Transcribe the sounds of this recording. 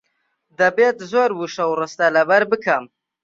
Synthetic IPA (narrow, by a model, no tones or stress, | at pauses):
d̪ɐbet̪zoɾbuʂɐwrɨst̪alɐbɐɾbɨkʰam